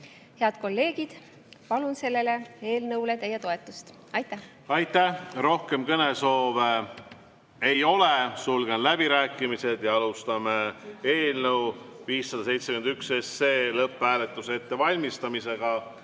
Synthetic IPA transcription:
he̞ɑd̪̥ko̞lːe̞ːɡ̥id̪̥ | pɑlunse̞lːe̞le̞e̞ːlnɤwlet̪e̞jːet̪o̞e̞t̪ːˑust̪ | ɑjt̪ːˑæh | ɑjt̪ːæhro̞hke̞mkɤne̞so̞ːve | e̞jo̞le̞sulɡ̥e̞nlæb̥iɾæːkːˑimise̞d̪̥jɑɑlust̪ɑmee̞ːlnɤwviːsːɑd̪̥ɑse̞jt̪sekymend̪ykse̞seːlɤpːˑæːle̞t̪ːˑuse̞t̪ːe̞vɑlʲmist̪ɑmise̞ɡ̥ɑ

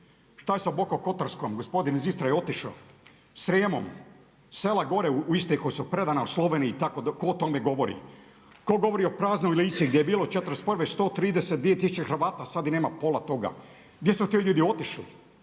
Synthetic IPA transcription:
ʃt̪ajesabokoko̞t̪aɾskomɡospo̞d̪inzist̪ɾajeo̞t̪iʃo̰ | sɾjeːmo̰m | selaɡo̞ɾeuuist̪eko̞jesupɾe̞d̪anauslˠoʋeːniːt̪akod̪ko̞ːt̪o̞meɡo̞ʋo̞ɾḭ | ko̞ɡo̞ʋo̞ɾiopɾaːzno̞jliːt̪siɡd̪jejebiːlˠot͡ʃet̪ɾesprʋest̪oːt̪ɾiːd̪eset̪d̪ʋijet̪isut͡ʃexɾ̩ʋaːt̪asad̪ineːmapo̞lat̪o̞ɡa̰ | ɡd̪jesut̪iʎuːd̪io̞t̪iʃlḭ

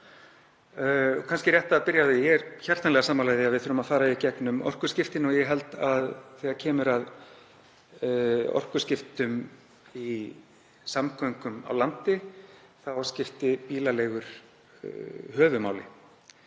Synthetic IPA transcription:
kʰanscɪɾjɛht̪aːðpɪɾjaɪjɛɛɾçar̥t̪anɛɣasaːmalajðɪaðvɪðθʏɾʏmaðfaːɾaicɛknʏmɔ̰r̥kʏ̥scɪft̪ɪnɔɣjɛɣɦɛl̪t̪aðθɛːaɾcʰɛːmʏɾað | ɔ̰r̥kʏ̥scɪft̪ʏm | i | samkʰœŋkʏma̰wlant̪ɪ | θawascɪft̪ɪpiːlaleːɣʏɾ̥̰ | hœːvʏmaːwlɪ̰

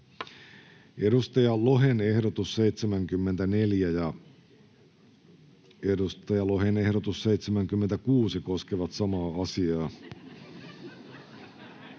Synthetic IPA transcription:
e̞dust̪ɑjɑlo̞ɦene̞hdot̪usse̞jt̪semæŋkymːent̪æne̞ljæjɑ | edust̪ɑjɑlo̞ɦene̞hdot̪usːe̞jt̪semæŋk̟ymːent̪ækuːsiko̞skeʋɑt̪sɑmɑːɑsiɑː

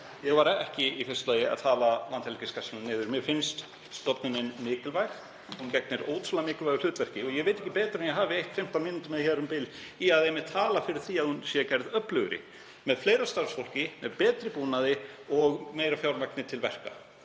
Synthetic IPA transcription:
jɛɣvaɾɛhcɪifɪst̪laːjɪa̰ðt̪ʰaːlalant̪hɛlkɪskasmnɪːðʏɾmjɛɾfɪnst̪ | st̪ɔpnɪnɪnmɪːkɪlvajɣ | huncɛk̚nɪɾo̰ːwt̪ʰɾulamɪːkɪlvajɣʏl̥ʏːt̪vɛr̥cɪɔjɛɣvejt̪ɛhcːɪpɛːt̪ɾɛnjɛɦaːvɪejht̪fɪm̥t̪anmɪnʏt̪ʏmɛðçɛːɾʏmpɪliaðɛmɪðt̪ʰaːlafɪɾɪɾ̥θiːaðhunsɛɛcajɾðœplʏɣɾɪ̰ | mɛðfleːjɾast̪aɾsfol̥cɪmɛðpɛːt̪ɾɪpuːnaðɪɔɣmeːjɾafjawɾmak̚nɪt̪ʰɪlvɛr̥ka̰

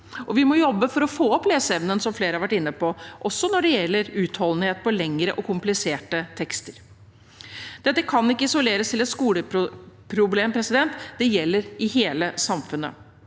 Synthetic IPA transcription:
ʔɔʋɪmɔjɔbːəfɔɾɔfoːɔpːleːsəɛʋnənsɔmfleːɾəhɑɾʋæʈːɪnːəpʰɔʔɔsːɔnɔɖɛjɛlːəɾʉːt̪hɔln̩heːt̪̚pʰɔlɛŋːɾəʔɔkʰʊmplɪseːʈət̪ʰɛkst̪əɾ | d̪̥ɛt̪ːəkʰɑnːɪkːəɪsʊleːɾəst̪ʰɪlɛt̪skuːləpʊpʰɾʊbleːmpʰɾɛsɪd̪ɛnt̪d̪̥ɛjɛlːəɾɪɦeːləsɑmfʉnːə̰

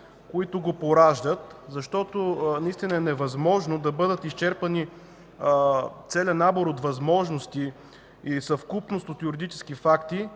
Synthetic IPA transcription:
koit̪ʊɡopoɾaʒd̪ət̪zɐʃt̪ɔt̪onɐist̪inəɛnɛvɐzmɔʒnod̪ɐbɤd̪ət̪ist͡ʃɛɾpɐni | t̪sɛlʲənaboɾot̪vɐzmɔʒnost̪i | isɐfkupnost̪ot̪jʊɾid̪it͡ʃɛ̥skifakt̪i

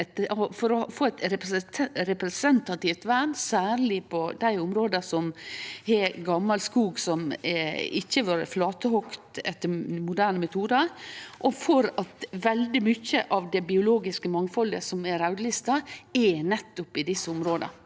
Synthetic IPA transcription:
ɛt̪fɔɾɔfoːɛt̪ɾɛɾɛpɾɛsɛnt̪ɑt̪ɪft̪ʋæːnsæːɾɭɪpʰɔd̪æɪʊmɾoːd̪əsɔmhɛɡɑmːɑlskuːɡsɔmɛɪçːəʋɑːɾəflɑːt̪əhɔkt̪ɛt̪ːəɾmʊd̪æːɾnəmɛt̪ʰuːd̪əɾʔɔfɔɾɑt̪ʋɛld̪ɪmʏçːəʔɑʋd̪ɛbɪʊloːɡɪskəmɑŋfɔlːə̰sɔmɛɾɑʉd̪lɪst̪ɑɛnɛt̪ːʊpɪd̪ɪsːəʊmɾoːd̪ə̰

